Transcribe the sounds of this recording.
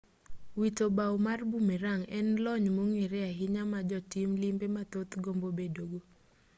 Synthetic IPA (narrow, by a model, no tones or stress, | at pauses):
witobawmarbumeɾaŋɛnlɔɲmoŋiɾɛaɦɪɲamad͡ʒɔtimlimbemat̪ot̪ɡombobedoɡo